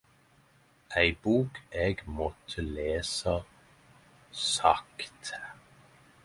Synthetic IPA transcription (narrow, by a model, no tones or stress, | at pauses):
æɪbuːkʰɛɡmɔt̪ʰəleːsa | sakt̪ʰ